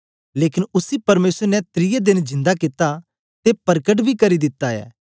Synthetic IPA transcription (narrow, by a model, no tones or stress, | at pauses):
leːkɪnʊsipɐɾmeːsəɾnɛt̪ɾɪjed̪ɪnd͡ʒɪ̃nd̪akɪt̪ːa | t̪epɐɾkəʈ̬bʱikɐɾid̪ɪt̪ːaɛ̰ː